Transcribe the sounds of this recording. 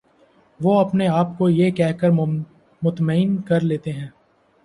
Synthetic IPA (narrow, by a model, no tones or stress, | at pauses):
ʋoːɐpneaːpkojekɛɦkəɾ | mʊt̪məɪnkɐɾleːt̪eɦɛ̃ː